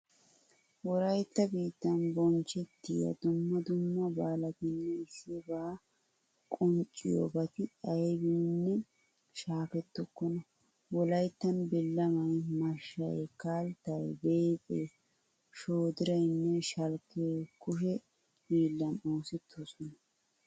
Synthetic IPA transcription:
wɔɾɐjt̪ːɐbiːt̪ːɐnbɔnt͡ʃɛt̪ːɪjɐ̰d̪ʊmːɐd̪ʊmːɐbaːlɐt̪ɪnːɛɪsːɪbaː | kʼʊnt͡ʃʼːɪjo̰bɐt̪ɪɐjbiːnːɛ | ʃaːfɛt̪ːɔkːɔnɐ | wɔlɐjt̪ːɐnbɪlːɐmɐjmɐʃɐ̰jkaːlt̪ːɐjbeːpʼeː | ʃoːd̪ɪɾɐjnːɛʃɐlkːeːkʊʃɛ | biːlːɐnoːsɪt̪ʰːosɔnɐ

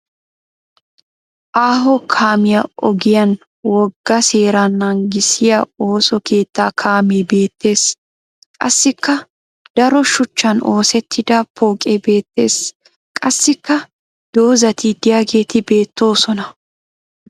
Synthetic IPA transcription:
ʔaːɦɔkʰaːmɪjɐʔɔ̰ɡɪjɐn | wɔɡːɐse̞ːɾɐnːɐŋɡɪsɪjɐo̞ːsɔke̞ːt̪ːaːkʰaːmeːbe̞ːt̪ːe̞ːs | kʼɐsːɪkːɐ | d̪̥ɐɾɔʃʊt͡ʃːɐno̞ːsɛt̪ːɪd̪ɐpoːkʼebe̞ːt̪ːe̞ːs | kʼɐsːɪkːɐ | d̪̥o̞ːzɐt̪id̪ɪjaːɡe̞ːt̪ɪbe̞ːt̪ːo̞ːsɔnɐ

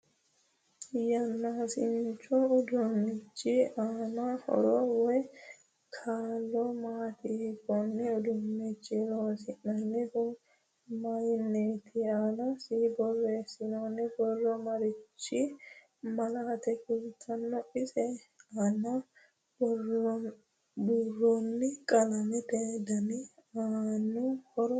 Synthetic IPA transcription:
jɐnːaːsɪnt͡ʃːɔːd̪ʊnːɪt͡ʃːɪaːnɐhɔ̰ɾɔwɔj | kʰaːlːɔmaːt̪ɪekːɔnːɛɔd̪ʊnːɛt͡ʃːɪloːsɪnːɐnːɛhʊ | mɐjɪnːeːt̪ʰɪanɐsiːbɔrːeːsːɪnoːnːɛbɔrːɔmɐɾɪt͡ʃːɪ | mɐlaːt̪ɛkʊlt̪ʰːɐnːɔʔɪsɛ | ɐnɐ | bɔ | burːɔnːɛkʼɐlɐmɛt̪eːd̪ɐnɪaːnːʊhɔɾɔ

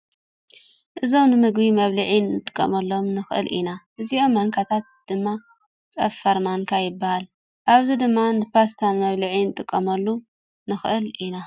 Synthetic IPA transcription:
ʔɨzo̞mnɨmɨɡbimɐβlɐʕinːɨt̪ʼɨ̥kʼːɐ̰mɐlːo̞mnɨxʔɨ̰lʔḭnaʔɨzio̞mːɐŋkʰat̪ʰat̪̚d̪̥ɨmːa | t͡sʼɐfaɾmankʰajɪbːahal | ʔaβzid̪ɨmːanɨpʰast̪ʰanmɐβlɨʕinɨt̪ʼɨkʼːɐmɐlːu | nɨxʔɨlʔina

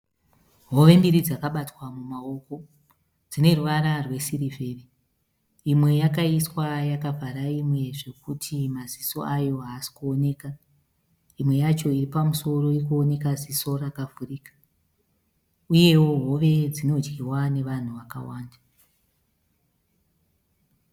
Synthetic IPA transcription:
ɦo̞ʋe̞mbiɾid͡zakaɓatwamumao̞ko̞ | d͡zine̞ruʋaɾarwe̞siɾivʱeːre | imwe̞jakaiswajakavʱaɾaimwe̞ʐe̞kutʰimaziso̞̰ajo̞ɦaːsi̥kuone̞ːka | imwe̞jat͡ʃo̞iripamuso̞ro̞ikuone̞kaziso̞rakavuriːkḁ | uje̞wo̞ɦo̞ʋe̞d͡zino̞d͡ʒɡiwane̞ʋan̤uʋaka̰waːnda

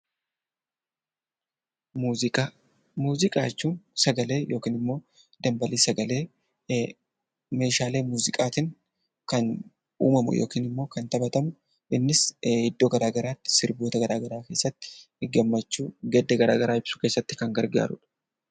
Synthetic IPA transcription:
muːzɪkʼa̰ːt͡ʃːuːnsɐɡɐle̞ːjo̞ːkiːnɪmːo̞ː | d̪ɐmbɐliːsɐɡɐleː | me̞ːʃaːle̞ːmuːzɪkʼaːt̪ɪŋ | kɐn | ṵːmɐmʊ̰jo̰ːkiːnɪmːo̞ːkɐnt̪ɐbɐt̪ɐmʊ | ʔɪnːɪshɪd̪ːoːɡɐɾaːɡɐɾaːt̪ːɪ̥sɪɾboːt̪ɐɡɐɾaːɡɐɾaːke̞ːsːɐt̪ːɪ̥ | ɪɡɐmːɐt͡ʃːuːɡɛd̪ːɐɡɐɾa̰ːɡɐɾaːɪb̥sʊ̥ke̞ːsːɐt̪ːɪ̥kɐŋɡɐɾɡa̰ːɾʊ̰ᶑɐ̥

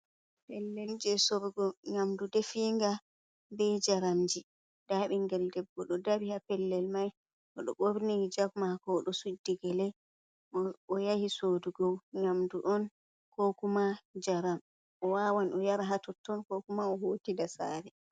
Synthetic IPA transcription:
pɛlːɛld͡ʒɛsobɡɔŋamdudefiːŋɡa | bɛd͡ʒaɾamd͡ʒi | d̥aɓiŋɡɛldɛbːɔɗɔdabihapɛlːɛlmaj | ʔɔɗɔɓoɾnid͡ʒaɡmakɔɗɔsudːiɡɛlɛ | ɔjahisoduɡɔwŋamduʔɔn | kokumad͡ʒaɾam | ʔɔwawanɔjaɾaɦatɔtːɔnkokumaɔhoːtidasa̰ɾɛ

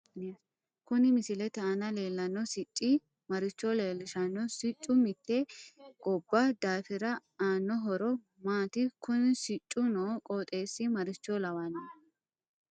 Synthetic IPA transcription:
kʊnɪmɪsɪlɛt̪ɛɐnɐle̞ːlːɐnːɔsɪt͡ʃʼːɪ | mɐɾɪt͡ʃːɔleːlːɪʃɐnːɔsɪt͡ʃʼːʊmɪt̪ːɛɡ̥ʼɔbːad̪aːfɪɾɐaːnːɔɦɔɾɔ | maːt̪ɪkʊnsɪt͡ʃʼːʊnoːkʼoːt̪ʼe̞ːsːɪmɐɾɪt͡ʃːɔlɐwanɐ

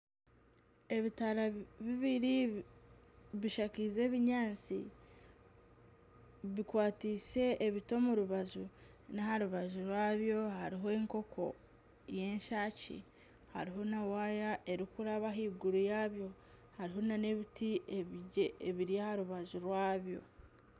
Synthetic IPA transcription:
e̞βitaɾaβiβiɾi | βiʃakize̞ːβiɲaːnt͡sḭ | βikwaːtiːse̞ːβito̞muɾuβazu | nahaɾuβazuɾwaːβjo̞haɾiɦoeːŋko̞kʰo̞̰ | je̞ːɲʃaːcḭ | ha̰ɾiɦo̞nawaːjaʔe̞ɾikuɾaβaɦiːɡuɾujaːβjo̞ | haɾiɦo̞nane̞βitieβɟeeβiɾijahaɾuβazuɾwaːβjo̞̰

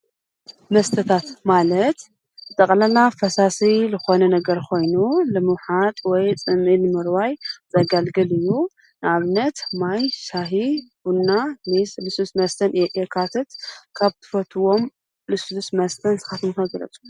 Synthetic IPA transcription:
mɐst̪ʰɐt̪ʰat̪malɐt̪ | ɨt̪ʼɐkʼlɐlafɐsasilɨxo̞nɐnɐɡɐɾkʰo̞jnulɨmɨwħat̪ʼwɔjt͡sʼɨnɨlɨmɨɾwajzɐɡalɡɐlɨjːu | nɨaβnɐt̪majʃaɦibunːamislɨsusmɐst̪ʰɐnɨjʔʼekʰat̪ʰɨt̪kʰaβt̪ʰɨ̥fɐt̪ʰɨwo̞m | lɨsusmɐst̪ʰɐnsɨ̥xat̪ʰɨmxɐɡɾɐ̰t͡sʼu̥

